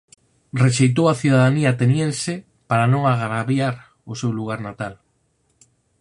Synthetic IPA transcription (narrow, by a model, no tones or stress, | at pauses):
reʃejt̪̬owaθjuðaðaniat̪enjensɪ | paɾanõŋaɣɾaβjaɾ | ʊsewluɣaɾnat̪al